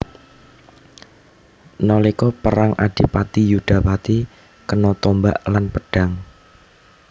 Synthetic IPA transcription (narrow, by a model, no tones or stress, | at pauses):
nɔlikɔpəɾaŋʔa̰d̥i̤pat̪ijuɖ̥a̤pat̪i | kənɔt̪ɔmba̰ʔlanpəɖ̥a̤ŋ